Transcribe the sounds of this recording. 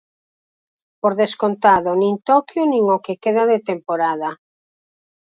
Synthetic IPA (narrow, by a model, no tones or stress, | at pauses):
poɾðeskont̪aðonĩŋt̪ɔkjonĩŋokekeðaðet̪empoɾaða